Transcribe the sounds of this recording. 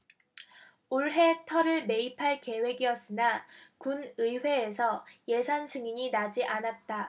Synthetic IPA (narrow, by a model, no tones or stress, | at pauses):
oɭɦe̞tʰʌɾɯɭme̞ipʰaɭke̞we̞ɡiʌs͈ɯnakunɯjɸwe̞ːsʰʌje̞sʰansʰɯŋiɲinad͡ʑiʔanat̚t͈a